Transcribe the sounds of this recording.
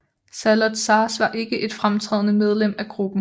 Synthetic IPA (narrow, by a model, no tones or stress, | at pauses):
sælɒd̥sɑ̈ːsʋɑ̈ʔe̝ɡ̥əʔe̝d̥fʁamt͡sʰʁɛ̰ːðˠnəmeð̞ˠlem̰æɡ̥ʁub̥n̩